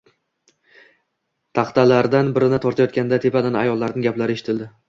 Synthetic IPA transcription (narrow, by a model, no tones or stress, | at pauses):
t̪ʰɑχt̪ʰalaɾd̪anbɪɾɪnɪt̪ʰɒɾt̪ʰajɒt̪kʲand̪at̪ʰe̞pad̪anajɒlˠːaɾnɪŋɡʲaplaɾɪe̞ʃɪ̥t̪ʰɪld̪ɪ